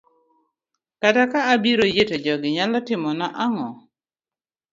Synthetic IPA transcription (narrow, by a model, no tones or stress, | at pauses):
katakaːbiɾojeted͡ʒɔɡɪɲalɔtɪmɔnaʔaŋɔ